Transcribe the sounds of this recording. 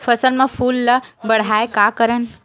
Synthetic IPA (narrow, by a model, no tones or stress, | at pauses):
fʰəsəlmẽpʰuːlːəbəɽ̤aːekakəɾən